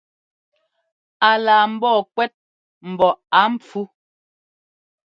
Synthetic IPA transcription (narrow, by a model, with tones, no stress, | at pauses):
a˨laː˨m̩˦bɔː˦˨kwɛ˦t̚ | m̩˨bɔ˨a˨˦m̩˦p͡fu˦